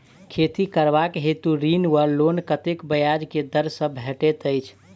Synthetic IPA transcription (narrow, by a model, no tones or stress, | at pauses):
kʰet̪ikəɾbakɦet̪uɾinwəɾlonkət̪ekbəjad͡ʒked̪əɾsə̃bʱeʈet̪əɪt͡ʃʰ